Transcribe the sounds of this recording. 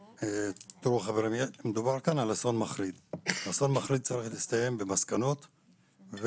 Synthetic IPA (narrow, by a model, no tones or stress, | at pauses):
et̪ɾuaχaveɾimemed̪ubaʁkanalaso̞nmaχɾid̪aso̞nmaχɾid̪̚t͡saɾiχlist̪aje̞mbemaskano̞t̪ | ve